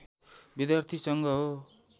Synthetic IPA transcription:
bid̪jart̪ʰisʌŋɡʌɦo

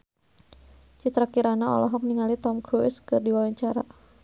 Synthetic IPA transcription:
t͡ʃit̪ɾakiɾanaɔ̰lɔɦɔk̚niŋalit̪ɔmkɾuskərdiwawaɲt͡ʃaɾa

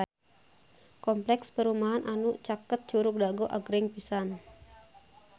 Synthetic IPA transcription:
kɔmplɛkspəɾumaɦanʔanut͡ʃakət̪̚d͡ʒuɾʊk̚daɡoʔaɡɾɪŋpisan

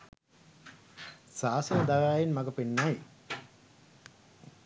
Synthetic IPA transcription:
saːsənəd̪aʋaːjenmaɡəpenːaj

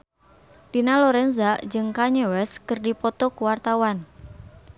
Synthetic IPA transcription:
d̥inaloɾɛnzad͡ʒɨŋkaɲewɛskərdipɔt̪ɔkuwart̪awan

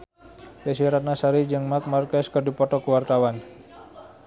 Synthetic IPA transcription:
dasiaɾat̪̚nasaɾid͡ʒɨŋmak̪̚markaskərdipɔt̪ɔkəwart̪awan

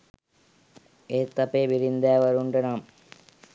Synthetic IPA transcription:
eːt̪ːɐpeːʋiɾind̪æːʋɐɾuɳɖənam

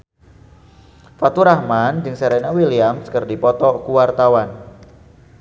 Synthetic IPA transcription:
fat̪uɾahmand͡ʒɨŋseɾɛnawiliamskərdipɔt̪ɔkuwart̪awan

